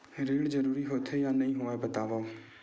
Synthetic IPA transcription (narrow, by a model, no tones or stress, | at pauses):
ɾeːɽd͡ʒəɾuːɾiːɦoːt̪ʰejãːnəĩːɦoːɛːbət̪aːʋaː